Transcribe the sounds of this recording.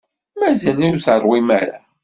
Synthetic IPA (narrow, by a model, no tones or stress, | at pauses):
mæzælijuθərˤwimæɾa